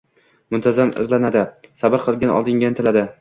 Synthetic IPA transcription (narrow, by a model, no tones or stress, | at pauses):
mʊnt̪ʰazamʊ̰zlanad̪ɪsabɪɾqʰɨlˠɡʲanɒ̰lˠd̪ɪŋɡʲanɪt̪ʰɪlad̪ɪ